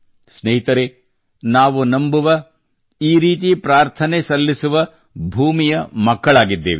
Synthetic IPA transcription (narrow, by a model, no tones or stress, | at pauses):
sneɦit̪ɐɾe | naːʋunɐmbuʋɐ | iːɾiːt̪ipɾaːɾt̪ʰɐnesɐlːisuʋɐ | bʱuːmijɐmɐkːɐɭaːɡid̪ːḛːʋe